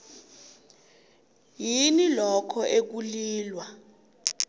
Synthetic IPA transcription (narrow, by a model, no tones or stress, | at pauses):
jinilɔkʰɔʔek̬uliːlwa